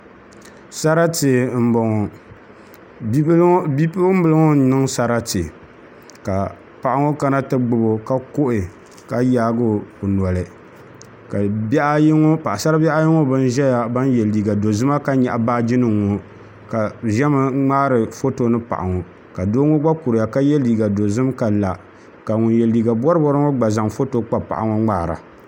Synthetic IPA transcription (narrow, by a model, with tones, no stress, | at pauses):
sa˦ɾa˦tɨ˨m̩˦bɔ˨ŋo˨˦ | i˦pm˦bɨ˨lɨ˦ŋo˦nɨ˦ŋsa˦ɾa˦tɨ˨ | ka˨ | pa˨ʔa˨ŋo˦ka˦na˦tɨ˦ɡ͡bɨ˨bo˦ka˦ko˦ʔɪ˨ | ka˨jaː˦ɡo˦˨pʊ˨n˨ɔ˨lɨ˨ | ka˨bʔŋo˦pa˨ʔa˨sa˦ɾa˦bɛ˦ʔa˦ji˦ŋo˦bɨ˦n˦ʒɛ˦ja˨ba˦njɛ˨lːiː˨ɡa˨do˨zɨ˦ma˦ka˦ɲɛ˨ʔa˨baː˦d͡ʒɪ˦nɨ˨ŋo˨ | ka˨ʒɛ˦mɨ˦ŋ͡maː˦ɾɨ˨fo˦to˦nɨ˦pa̰˨ʔa˨ŋo˨ | ka˨doː˦ŋo˦ɡ͡ba˦ku˨ɾja˨ka˦jɛ˦liː˨ɡa˨do˨zɨ˦mka˨la˨ | ka˨ŋʊ˨njɛ˨lːiː˨ɡa˨bɔ˦ɾɨ˦bɔ˦ɾɨ˦ŋo˦ɡ͡ba˨za˨ŋfo˦to˦k͡pa˨pa̰˨ʔa˨ŋo˦ŋ͡maː˦˨ɾa̰˨